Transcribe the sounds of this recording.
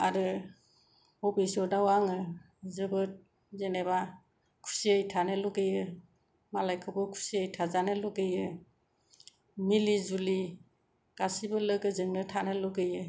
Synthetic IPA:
aɾɯ | ɔbisɔɾdawaŋɯ | zɯbɯt̚ | zeneba | kʰu̥siəjtʰanɯlɔɡɯjɯ | malajkʰɯbɯkʰu̥siəjtʰazanɯlɔɡɯjɯ | milizuli | ɡ̥asibɯləɡɯzɯŋnɯtʰanɯlɔɡɯjɯ

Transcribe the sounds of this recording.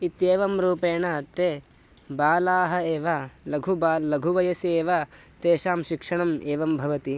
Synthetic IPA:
it̪jeːʋɐmɾuːpeːɳɐɐt̪ːeː | baːlaːɦɐeːʋɐlɐɡʱubaːlɐɡʱuʋɐjɐseːʋɐt̪eːʃaːmʃikʂɐɳɐmeːʋɐmbʱɐʋɐt̪i

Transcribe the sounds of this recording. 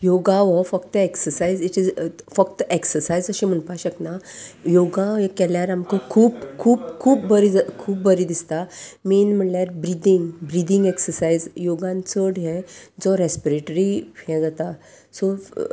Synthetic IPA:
joɡãʋɔfəkt̪əeksəɾsaiziʈid͡zfəkt̪eksəɾsaid͡zəɕĩm̤əɳpaɕəknajoɡãkɛljaɾamkɔkʰuːpkʰuːpkʰuːp̚bəɾid͡zəkʰuːp̚bəɾid̪ist̪amenm̤əɳljaɾbɾid̪iŋɡbɾid̪iŋɡeksəɾsaizjoɡãnt͡səɽɦɛ̃d͡zɔɾespiɾeʈɾiɛ̃ɡət̪a | so

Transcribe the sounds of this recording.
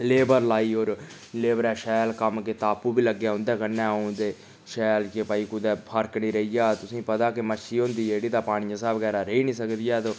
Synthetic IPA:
leːbəɾlaːiːoːɾ | leːbɾɛːʃɛːlkəmket̪aːpːuːbiːləɡjaːʊ̃nd̪ɛːkənːɛːod̪eː | ʃɛːlkeːpaːiːkʊd̪ɛːpʰəɾkniːɾəiːjaːt̪ʊsĩːpət̪aːkɪmət͡ʃʰːiːõːnd̪iːd͡ʒeːɽiːd̪aːpaːɽ̃ijãsaːbəɡɛːɾaːɾəiːnĩːsəkd̪ijaːt̪oː

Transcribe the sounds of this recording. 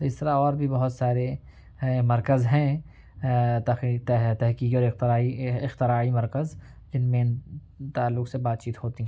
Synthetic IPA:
t̪oɪst̪əɾaɔːɾbʱibɐɦʊt̪saːɾe | mɐɾkəzɦɛ̃ | t̪ɐt̪t̪ɛɦkiːkɔːɾɪxt̪aiɪxt̪ɪɾaːimɐɾkəz | d͡ʒɪnmẽ | t̪aːlːʊksebaːt̪̚t͡ʃiːt̪ɦoːt̪iɦɛ̃

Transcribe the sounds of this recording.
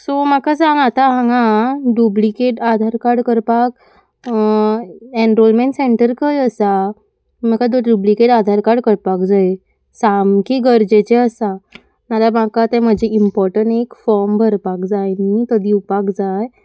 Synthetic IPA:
somakad͡zãŋat̪aɦãŋɡaɖjublikeʈad̪ʱaɾkaɽkəɾpak̚ | eɳɾolmẽɳʈseɳʈəɾkəjəsa | makad̪oɖublikeʈad̪ʱaɾkaɽkəɾpakd͡zaj | samkiɡəɾd͡ʑet͡ɕɛəsa | nalamakat̪ɛ̃m̤əd͡ʑʱeimpɔɾʈəɳʈekfɔɾmbʱəɾpakd͡zajnit̪əd̪ʱiwpakd͡zaj

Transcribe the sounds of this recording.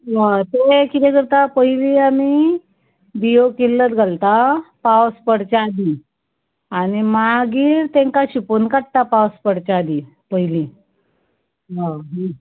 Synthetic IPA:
ɦət̪ekit̪eɡəɾt̪apəjliami | biokilːət̪ɡʱalt̪apawspəɽt͡ɕaad̪i | añimaɡiːɾt̪ẽŋkaɕiponkaʈ̚t̪apawspəɽt͡ɕaaːd̪i | pəjli | ɦaɦ

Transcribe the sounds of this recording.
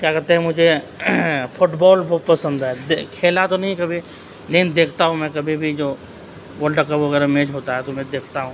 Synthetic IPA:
kjakɐɾt̪eɦɛ̃mʊd͡ʒʱe | pʰʊʈbɔːlbʱɔːt̪pəsə̃nd̪ɦɛːd̪kʰeːlat̪onɐɦĩkɐbʱi | lend̪eːkʰt̪aɦũmɛ̃kɐbʱibʱid͡ʒoː | ʋəlɖəkəbʋɐɣɛːɾamẽːd͡ʒɦoːt̪aɦɛt̪omɛ̃d̪eːkʰt̪aɦũː

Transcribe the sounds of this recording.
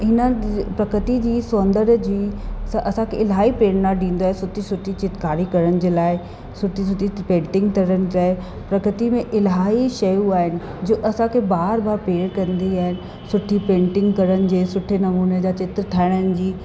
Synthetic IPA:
ɦɪnəpɾɐkɾət̪id͡ʑiːsoːnd̪əɾd͡ʑiːsʔɐsãkʰeɪlɦaːɦipeːɽnaɖĩːn̆d̪oaɦesʊʈʰisʊʈʰit͡ɕɪt̪kaːɾikɐɾənɪ̆d͡ʑeːlaːɪ | sʊʈʰis̬ʊʈʰipẽːɳʈɪ̃ŋɡt̪ʰɐɾənɪ̆d͡ʑaːe | pɾɐkɾət̪imẽʔɪlɦaːɦiʃɐjuaːɦɪnɪ̆ | d͡ʑoːʔɐsãkʰebaːɾbaːɾpeːɽkɐ̃nd̪iaːɦɪnɪ̆ | sʊʈʰipẽːɳʈɪ̃ŋɡkɐɾənɪ̆d͡ʑeːsʊʈʰenɐmuːned͡ʑaːt͡ɕɪt̪ɾəʈ̪ʰaːɪɽ̃ənɪ̆d͡ʑiː

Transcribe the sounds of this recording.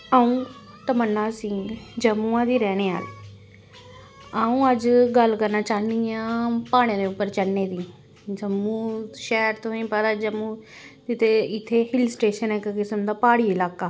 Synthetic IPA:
əːũː | t̪əmənːãːsɪŋɡd͡ʒəmːũːãːd̪iːɾɛːɽ̃eːa̰ːl | aːũːəd͡ʒɡəlkəɾnaːt͡ʃaːniãːpaːɽ̃ẽːd̪eːʊpːəɾt͡ʃəɽneːd̪iː | d͡ʒəmːũːʃɛːɾt̪õːĩːpəɾəd͡ʒəmːuː | ɪt̪eɪt̪ʰːeːhɪlsʈeːʃənɛkkɪsəmd̪aːpaːɽiːɪlaːkaː

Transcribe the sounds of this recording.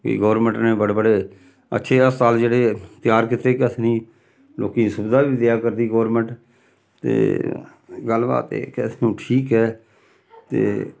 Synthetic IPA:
kḭɡɔːɾmə̃ɳʈneːbəɽeːbəɽeː | ə̰tːʃʰeːəssaːld͡ʒeːɽeːt̪ɪjaːɾkɪt̪ɾeːkəsnĩː | loːkiːsʊbd̪aːʋiːd̪ɪjaːkəɾd̪iːɡɔːɾmə̃ɳʈ | t̪ḛː | ɡəlba̰ːt̪ḛːkesnũːʈʰiːkɦɛː | t̪ḛː

